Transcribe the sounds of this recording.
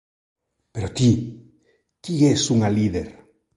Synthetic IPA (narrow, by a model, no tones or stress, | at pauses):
peɾot̪i | k̪iɣesuŋaliðeɾ